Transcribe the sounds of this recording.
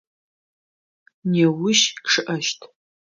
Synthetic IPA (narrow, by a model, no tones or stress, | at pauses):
newʊʃʂɨʔɐʃtʰ